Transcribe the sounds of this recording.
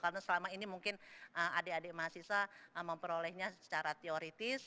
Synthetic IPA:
kaɾnasəlamainimuŋkɪnəma̰deademaasisaəməmpəɾolɛhɲasət͡ʃaɾat̪eoɾit̪ɪs

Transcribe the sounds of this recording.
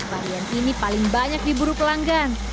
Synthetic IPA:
baɾianinipalɪŋbaɲak̚dibuɾupəlaŋɡan

